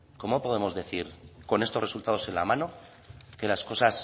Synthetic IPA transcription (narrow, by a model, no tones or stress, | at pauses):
ko̞mo̞po̞ð̞e̞mo̞zðe̞θiɾko̞ne̞st̪ore̞sult̪að̞o̞se̞nla̰mãno̞ | ke̞lasko̞sas